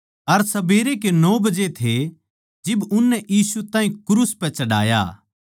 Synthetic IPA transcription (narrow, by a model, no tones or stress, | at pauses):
ɐɾsɐbeːɾek̬enɔːbɐd͡ʒet̪ʰe | d͡ʒɪbʊnːɛʔjiːsut̪ãːɦĩkʊɾuːspɛ̃t͡ʃɐɽa̰ːja̰